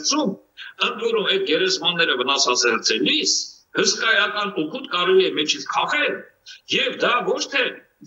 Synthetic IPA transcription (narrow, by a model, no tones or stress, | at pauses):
t͡sʰum | ənt̪vɔɾumɛd̪̚ɡɛɾɛzmɑnːɛɾəvənɑsɑzɛɾt͡sɛlis | həskɑjɑkɑnukʰut̪kɑɾɛliɛmɛt͡ʃʰit͡sʰkʰɑʁɛl | jɛvd̪ɑvɔt͡ʃʰt̪ʰɛ